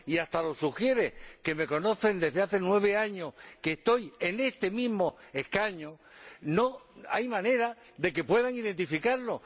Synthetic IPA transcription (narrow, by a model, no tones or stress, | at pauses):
iast̪alo̞suxje̞ɾe̞ke̞me̞ko̞no̞θe̞nd̪e̞ɦðeaθe̞nwe̞β̞e̞aɲo̞hkest̪o̞je̞ne̞st̪e̞miɦmo̞e̞hkaɲono̞a̰jmãne̞ɾa | ðe̞ke̞pwe̞ðaŋiðent̪ifikaɾlo̞